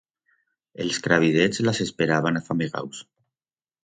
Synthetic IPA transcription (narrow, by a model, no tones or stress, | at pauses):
elskɾaβ̞iðed͡zlasespeɾaβanafamiɣa̰ws